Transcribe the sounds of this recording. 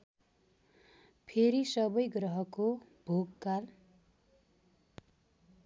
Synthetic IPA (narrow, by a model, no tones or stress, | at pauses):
pʰeɾisʌbʌjɡrʌɦʌkob̥ʱoɡkal